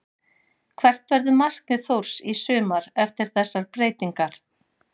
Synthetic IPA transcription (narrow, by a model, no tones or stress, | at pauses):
kʰvɛr̥t̪vɛɾðʏmar̥k̚nɪθowɾ̥sisʏːmaɾɛft̪ɪɾ̥θɛsːaɾpɾeːjt̪iŋkaɾ̥